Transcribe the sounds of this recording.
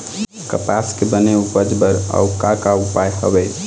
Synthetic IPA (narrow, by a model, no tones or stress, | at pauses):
kəpaskebəneubəd͡ʒbəɾa̰wkakaupajɦə̰bɛ